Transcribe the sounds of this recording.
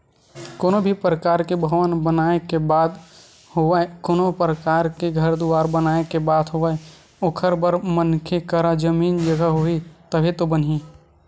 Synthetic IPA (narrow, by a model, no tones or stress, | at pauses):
koːnobʱipɾəkaːɾkebʱəʋənbənaːekebaːd̪ | hoəekoːnopɾəkaːɾkeɡʱəɾd̪uaːɾbənaːekebaːt̪ɦoəe | okʰəɾbəɾmənkʰekəɾad͡ʒəmiːnd͡ʒəɡəɦoit̪əbʱit̪obənɦi